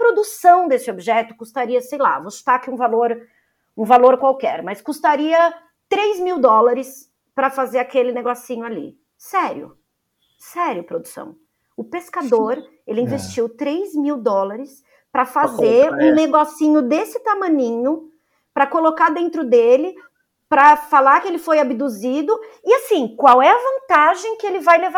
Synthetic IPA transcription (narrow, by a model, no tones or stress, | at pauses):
pɾod̪usɐ̃w̃d̪esɪobiʒɛt̪ʊkust̪aɾiɐsejla̰vost̪akiũvaloɾ | ũvaloɾkwawkɛɾmɐskust̪aɾiɐ | t̪ɾejzmiwd̪ɔlaɾɪs | pɾɐfazeɾakelɪneɡɔsĩɲʊalḭ | sɛɾjʊ̰ | sɛɾjʊpɾod̪usɐ̰̃w̃ | ʊpeskad̪oɾ | elɪĩvest͡ʃiwt̪ɾejzmiwd̪ɔlaɾɪs | pɾɐfazeɾũneɡɔsĩɲʊd̪esɪt̪amɐ̃ɲĩɲʊ | pɾɐkolokad̪ẽnt̪ɾʊd̪elɪ | pɾɐfalakɪelɪfojabid̪uzid̪ʊɪasĩkwawɛɐvɐ̃nt̪aʒẽj̃kɪelɪvajleva